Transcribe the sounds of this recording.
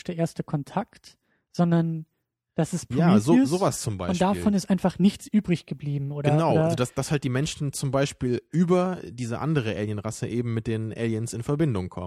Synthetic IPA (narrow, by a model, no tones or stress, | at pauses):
ʃd̥eʔeːɐstəkʰɔntʰakt | z̥ɔndɐn | d̥asɛstpʰjaːzoːzoːvast͡sʊmba̰ɪʊntd̥afɔnɪstʔaɪnfaχnɪçt͡sʔyːbʁɪçɡ̥əbliːbm̩ʔoːɾɡɐənnaʊʔazodasd̥ashalt̚d̥iːmɛnʃn̩t͡sʊmbaɪʃpiːlʔyːbɐdiːzəʔa̰ndəʁ̞əʔɛ̰ːljənʁasəʔeːbm̩mɪt̚d̥eːnʔɛ̰ːljənsɪnfɛɐbɪndʊŋkʰɔ̰mə